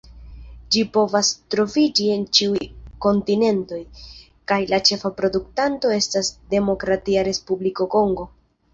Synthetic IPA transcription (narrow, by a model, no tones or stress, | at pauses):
d͡ʒipo̞vastɾo̞vid͡ʒie̞nt͡ʃiujko̞ntine̞nto̞j | kajlat͡ʃe̞fapɾo̞duktanto̞e̞stasde̞mo̞kɾatiaɾe̞spubliko̞ko̞ŋɡo̞